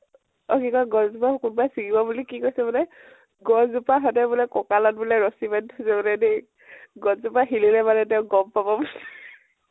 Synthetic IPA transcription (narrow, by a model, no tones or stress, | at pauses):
ɔkikɔɡɔzupaxkunbajsikibɔbulikikojsɛbɔnɛ | ɡɔzupaɦɔdɛbulɛkɔkalɔnbulɛɹɔsibɛntʰɔsɛbɔlɛne | ɡɔzupaxililɛbanɛtɛʊ̃ɡɔmpabɔbus